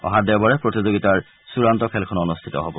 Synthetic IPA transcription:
ɔ̰ɦadɛbɔɹɛpɹotizoɡitaɹ | suɹantɔkʰɛlkʰɔnɔnustʰitɔɦobɔ

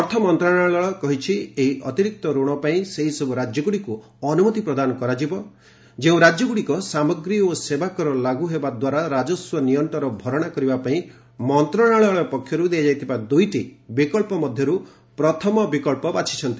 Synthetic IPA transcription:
ɔɾt̪ʰɔmɔnt̪ɾaɽaɭɔɭɔkɔɦit͡ʃʰieɦiʔɔt̪iɾik̚t̪ɔɾoɽ̃ɔpaĩseɦisɔbʱuɾad͡ʒjɔɡuɽiku | ɔnumɔt̪ipɾɔd̪anɔkɔɾad͡ʒibɔ | d͡ʒeũɾad͡ʒjɔɡuɽikɔsamɔɡɾiɔosebakɔɾɔlaɡuɦebad̪waɾaɾad͡ʒɔswɔnijɔnt̪ɔɾɔbʱɔɾɔɽ̃akɔɾibapaĩ | mɔnt̪ɾɔɽ̃aɭɔɭɔpɔkʰːjɔɾud̪ejad͡ʒajt̪ʰibad̪ujʈibikɔɭpɔmɔd̪ʱjɔɾu | pɾɔt̪ʰɔmɔbikɔɭpɔbat͡ʃʰi̥t͡ʃʰɔnt̪i

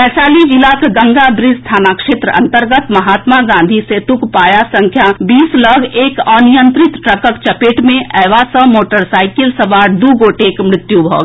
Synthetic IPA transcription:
pɛːsaːlid͡ʒilakɡə̃ŋɡad̪ɾɪst̪ʰaːnakʃeːt̪ɾəʔɐ̰̃nt̪əɾɡət̪mɐɦaːt̪maɡãːnd̪ʱiset̪ukpaːjasə̃ŋkʰjabiːsləɡʱeːkɔːnijə̃nt̪ɾɪt̪ʈɾəkəkt͡ʃɐpeːʈmẽʔɛːʋasə̃moːʈəɾsaːɪkɪlsəbaːɾd̪uːɡoːʈekmɾɪt̪jubʱɔ̰ːɡ

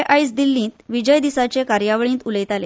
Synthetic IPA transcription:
ʔajsd̪ilːĩːt̪ʋid͡ʑəjd̪isat͡sekaɾjaʋəɭĩːt̪uləjt̪ale

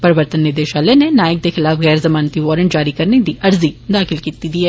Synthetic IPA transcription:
pɐɾɪʋəɾt̪ənːɪd̪eʃaːlenenaːjək̚d̪exɪlaːfɣɛːɾzɐmaːnt̪iʋɔːɾə̃ɳʈd͡ʒaːɾikɐɾned̪iʔɐɾzid̪aːxɪlkiːt̪id̪iːɦɛː

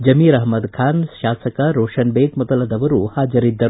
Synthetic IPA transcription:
d͡ʒɐmiːɾɐɦmɐd̪kʰaːnʃaːsɐkɐɾoːʂɐnbeːd̪mɔd̪ɐlɐd̪ɐʋɐɾuhaːd͡ʒɐɾid̪ːɐɾu

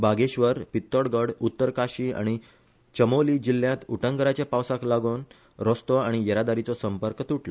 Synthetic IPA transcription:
baɡeɕʋəɾpit̪ːəɽɡəɽut̪ːəɾkaɕia̰ɽ̃i | t͡ɕəmoliːd͡ʑilːjãt̪uʈə̃ŋɡəɾat͡ɕjapawsãklaɡuːn | ɾɔst̪ɔaɽ̃ijəɾad̪aɾit͡sɔsəmpəɾkt̪uʈʰla

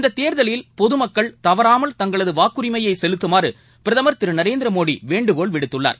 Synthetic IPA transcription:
ɪnd̪ɐt̪ːeːɾðɐljɪlpɔðɯmɐkːɐɭt̪ɐʋɐɾaːmɐlt̪ɐŋɡɐɭɐðɯʋaːkɯɾɪmɐjɐɪsɛlɯt̪ːɯmaːrɯ | pɪɾɐðɐmɐɾt̪ɪɾɯnɐɾeːnd̪ɪɾɐmoːɽḭʋeːɳɖɯɣoːɭʋɪɽɯt̪ːɯɭːa̰ːɾ

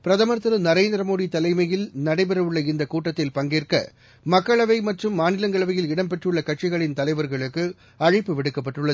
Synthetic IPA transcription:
pɪɾɐðɐmɐɾt̪ɯɾɯnɐɾeːnd̪ɪɾɐmoːðit̪ɐlɐɪmɐjɪlnɐɽɐɪpɛɾɐʋɯɭːɐɪnd̪ɐkuːʈːɐt̪ːɪlpɐŋɡeːrkɐ̰ | mɐkːɐɭɐʋɐɪmɐʈrɯmːaːnɪlɐŋɡɐɭɐʋɐjɪlɪɽɐmpɛʈrɯɭːɐkɐʈ̚t͡ʃɪɣɐɭɪnt̪ɐlɐɪʋɐɾɣɐɭɯkːɯ | ɐɻɪpːɯʋɪɽɯkːɐp̬ːɐʈːɯɭːɐ

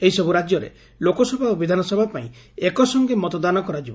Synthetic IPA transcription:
eɦisɔbuɾad͡ʒjɔɾḛ | lokɔsɔbʱaobid̪ʱanɔsɔbʱapaḭ̃ | ekɔsɔŋɡemɔt̪ɔd̪anɔkɔɾad͡ʒibɔ

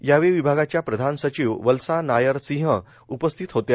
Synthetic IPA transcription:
jaʋeʋibʱaɡat͡ɕjapɾəd̪ʱansət͡ɕiːʋʋəlsanajəɾsĩɦə | upəst̪ʰit̪ɦot̪ja

